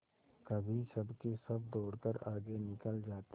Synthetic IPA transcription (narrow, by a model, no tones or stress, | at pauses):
kɐbʱisɐbkesɐbd̪oːɽkəɾaːɡenɪkəld͡ʒaːt̪